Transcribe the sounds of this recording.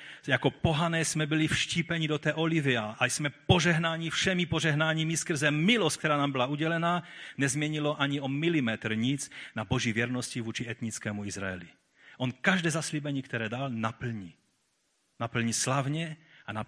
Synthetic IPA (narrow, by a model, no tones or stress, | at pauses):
jakɔpoɦanɛːsmɛbilifʃciːpɛɲid̪ot̪ɛːʔoliviaʔasmɛpoʒɛɦnaːɲifʃɛmipoʒɛɦnaːɲimiskr̩zɛmilɔst̪ckt̪ɛɾaːnaːmbilauɟɛlɛnaːɲɛzmɪɛɲilɔʔaɲiomilimɛt̪r̩ɲit͡snaboʒivɪjɛɾnɔscivuːt͡ʃiɛt̪ɲit͡skɛːmuizɾaɛli | ʔɔnkaʒd̪ɛːzasliːbɛɲiːkt̪ɛɾɛːd̪alnapl̩ɲi | napl̩ɲislavɲɛana